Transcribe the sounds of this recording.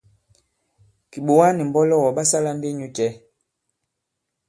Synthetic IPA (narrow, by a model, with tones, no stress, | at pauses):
ki˨ɓo˨wa˦ni˨m˨bɔ˦lɔ˦wɔ˨ɓa˦sa˦la˦nde˦ɲu˦t͡ʃɛ˨˦